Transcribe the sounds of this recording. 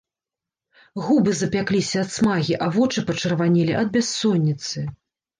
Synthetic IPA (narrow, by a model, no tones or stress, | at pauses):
ɣubɨzɐpʲaklʲisʲɐːt̪smaɣʲiʔɐvɔt͡ʂɨpɐt͡ʂɐrvanʲilʲiʔɐd̪̚bʲasːɔnʲːit̪sɨ